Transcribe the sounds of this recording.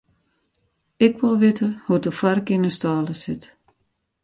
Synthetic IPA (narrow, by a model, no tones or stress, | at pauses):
ɪkʋɪlˠʋɪtəhudəfarkinəstaːləsɪt